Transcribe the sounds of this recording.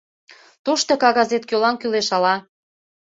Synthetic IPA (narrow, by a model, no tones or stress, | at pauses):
t̪oʃt̪ɤ̆kɑɣɑzet̪̚kʲølɑnkyleʃɑlɑ